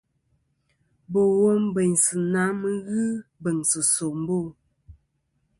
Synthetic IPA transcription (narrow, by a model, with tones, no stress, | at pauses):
bo˨wo˦m˦bə˨ɲsɨ˨na˨˦mə˦ɣɨ˦bə˨ŋsɨ˨so˨m̩˦bo˦˨